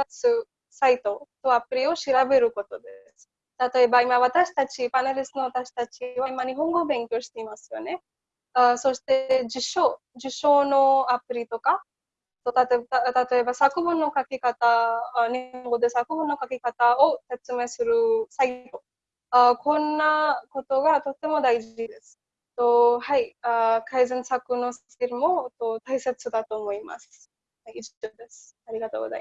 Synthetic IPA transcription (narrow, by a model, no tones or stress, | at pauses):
asɨ | sait̪o̞t̪o̞apɯ̟ɾʲio̞ɕiɾabe̞ɾɯ̟ko̞t̪o̞d̪e̞sɨ̥ | t̪at̪o̞e̞baimaβat̪aɕi̥t̪at͡ɕipaneɾʲisɨno̞at̪aɕi̥t̪at͡ɕiβaimaɲ̟iɦõ̞ŋɡo̞bẽ̞ŋkʲo̞ːɕi̥t̪e̞imasɨjo̞ne̞ | ɯso̞ɕi̥t̪e̞d͡ʑiɕo̞ | d͡ʑiɕo̞ːno̞apɯ̟ɾʲit̪o̞ka | t̪ot̪at̪t̪at̪o̞e̞basakɯ̟bɯ̃nːo̞kakʲikat̪aneŋɡo̞d̪e̞sakɯ̟bɯ̟̃nːo̞kakʲikat̪aose̞t͡sɨme̞ːsɨɾɯ̟saiɾo̞ | akõ̞nːako̞t̪o̞ɡat̪o̞t̪ːe̞mo̞d̪aiʑid̪e̞sɨ̥ | t̪ohaiakʰaizẽɰsakɯ̟no̞s | eɾɯmo̞t̪ot̪aise̞t͡sɨd̪at̪o̞ːmo̞ima̰sɨ̥ | haiod̪e̞sɨ̥aɾʲiɡat̪o̞̰ːɡoza̰i